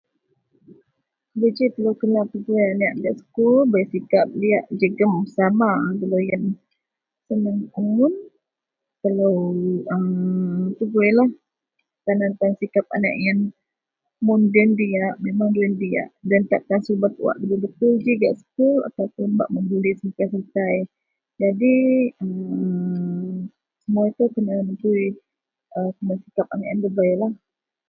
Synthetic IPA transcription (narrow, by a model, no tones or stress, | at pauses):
əbəd͡ʒit̪əlawkənalt̪əɡuajanaʔɡaʔsə̥kʊlbaasikap̚liaʔd͡ʒəɡəmsamabəlojən | sənəŋuŋʊn | t̪alawəmt̪uɡuajlah | t̪anant̪ansikap̚a̰na̰ʔjan | mʊndɛndiaʔmemaŋdiɛndia̰ʔdant̪aʔt̪ansəubat̪uwa̰ʔləbibət̪ud͡ʒiɡa̰ʔsə̥kula̰t̪awpʊmba̰ʔmənd͡ʒulisikasəlt̪aj | d͡ʒadiəm | səmuat̪ukənamənt̪ui | əkəmasikap̚anaʔjandəbajlah